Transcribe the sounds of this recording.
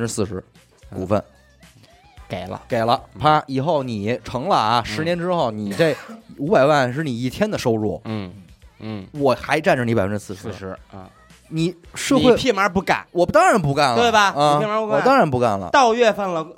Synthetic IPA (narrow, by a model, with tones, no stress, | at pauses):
ə˥˧ʈ͡ʂɻ̩˥sɹ̩˥˩ʂɻ̩˧˥ | kṵ˨˩fə̰˧˩n | ke˨˩ɪlə̰˦ke˨˩ɪlə˦pʰa˥i˨˩xo˥˩ʊni˨˩˦ʈ͡ʂʰɤ˧˥ŋlə˧˩ʂɻ̩˧˥njɛ˧˥nʈ͡ʂɻ̩˥xo˥˩ʊni˨˩t͡sa˥˩ɪu˧˥pa˨˩ɪwa˥˩nʂ̬ɻ̩˥˩ni˨˩i˥˩t̪ʰjɛ˥nd̪ə˨ʂo˥ʊɻwɔ̰˥˩ | wɔ˨˩xa˧˥ɪʈ͡ʂa˥˩nʈ͡ʂə˨˩ni˧˥pə˧˦˥ʈ͡ʂɻ̩˥sɹ̩˥˩ʂʂɻ̩˧˥˧ | ni˨˩ʂɤ˥˧xe˥˧ɪi˥˩ma˞˧˥pu˥˩ka̰˨˩˦wɔ˨˩t̪ɑ˥ŋɻa˧˥np̬u˥˧ka˥˩nlt̪we˥˩ɪbɐ˩˥˧i˥˩ma˧˥pu˥kaɔ˨˩˨t̪ɑ˥ŋɻa˧˥npu˥˧ka˥˩nlə̰˩t̪ɑ˥˧ʊɥɛ˥˧fa˥˩nlə˨˩